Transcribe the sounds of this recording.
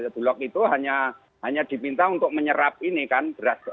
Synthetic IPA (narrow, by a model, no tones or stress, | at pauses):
b̥ṳlɔk̚it̪uɦaɲa | ɦaɲad̪̥i̤pint̪aɦunt̪ʊk̚məɲəɾap̚inikanb̥əɾas